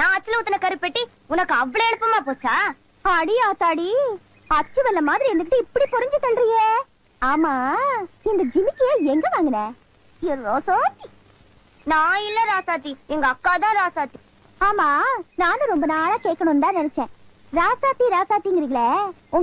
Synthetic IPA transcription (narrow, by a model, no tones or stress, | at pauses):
nãːɐt͡ʃːɪlɐʊt̪ːɐnɐkɐɾɯpːɛʈːi | ʊnɐkːɯɐʋːɐɭoɛɳɯpːɐmaːpoːt͡ʃːaː | ɐɽiaːsaːɽi | ɐʈ̚t͡ʃːɯʋɐlːɐmaːðɪɾiɛnd̪ɯk̬ːɪʈːɯɪpːɐɽipɔɾɐɲd͡ʒɯt̪ɐlːɾɪŋe | aːmaːɪnd̪ɐd͡ʒɪmɪkːɪjeːɛŋɡɐʋaːŋɡɐnẽː | jɪɾɾoːsaːt̪i | nãːɪlːɐɾaːsaːt̪iɛŋɡɐːkːaːt̪ãːɾaːsaːt̪i̥ | aːmaːnãːnɯ̃ɾɔmbɐnaːɭaːkeːʈkːɐɽɳʊ̃nd̪ãːnɛnɛt͡ʃːẽː | ɾaːsaːt̪iɾaːsaːt̪iŋɡɪɾiŋɡɐɭeʊŋ